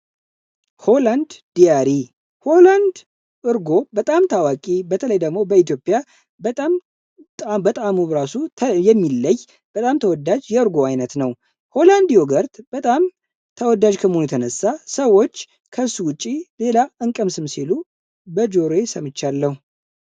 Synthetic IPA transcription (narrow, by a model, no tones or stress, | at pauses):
holand̪d̪ijaɾi | holand̪ | ʔɨɾɡo̞bət̪ʼamt̪ʰawakʼibət̪ʰələjd̪əɡmo̞bəit̪jo̞pʼːja | bət̪ʼam | t̪ʼabət̪ʼamuɾasut̪ʰjɛmːilːəj | b̥ət̪ʼamt̪ʰəwɔd̪ad͡ʒjɛɨɾɡo̞ajnət̪nəw | ho̞land̪ijoɡəɾt̪b̥ət̪ʼam | t̪ʰəwɔd̪ad͡ʒkʰəməhonujɛt̪ʰənəsːasəwo̞t͡ʃː | kʰəsuwʊt͡ʃʼːile̞laɨŋkʼəmsɨmsilu | bəd͡ʒo̞ɾesəmɨt͡ʃːalːəhu